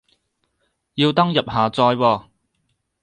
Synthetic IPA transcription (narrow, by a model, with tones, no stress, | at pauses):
jiː˧wt̪ɐ˥ŋjɐ˨p̚ɦaː˨t͡sɔː˧jwɔː˧